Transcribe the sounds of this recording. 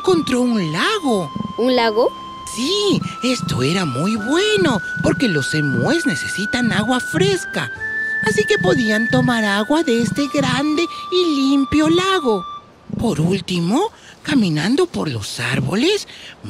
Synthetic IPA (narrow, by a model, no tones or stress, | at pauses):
ŋko̞nt̪ɾo̞unlaɣo̞unlaɣo | sie̞st̪o̞̰e̞ɾamujβwe̞no̞po̞ɾke̞lo̞semwezne̞se̞sit̪anaɣwafɾe̞ska̰ | asike̞po̞ðiant̪o̞maɾaɣwaðeest̪e̞ɣɾand̪e̞ilimpjo̞laɣo̞ | po̞ɾult̪imo̞ | kamĩnand̪o̞po̞ɾlo̞̰sa̰ɾβo̞̰le̞s